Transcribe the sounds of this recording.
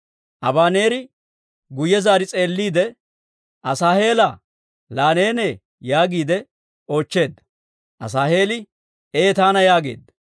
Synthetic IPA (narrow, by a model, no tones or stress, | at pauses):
ʔɐbaːneːɾɪ | ɡʊjɛzaːɾɪt͡sʼe̞ːlːiːd̪ɛ | ʔɐsaːhe̞ːlɐ | laːneːneː | jaːɡiːd̪ɛ | o̞ːt͡ʃːe̞ːd̪ːɐ | ʔɐ̰s̬aːhe̞ːlɪ | eːt̪aːnɐjaːɡe̞̰ːd̪ːɐ